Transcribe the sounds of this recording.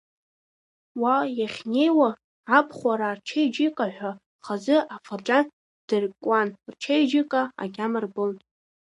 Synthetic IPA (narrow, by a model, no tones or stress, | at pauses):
wajaχʲne̞jwa | apʰχʷaɾart͡ʃʰejd͡ʒikʼaħᶣʷa | χazɨʔafaʈ͡ʂʼan | d̥ɨrkʷʼanrt͡ʃʰejd͡ʒikʼaa̰ɡʲamarbon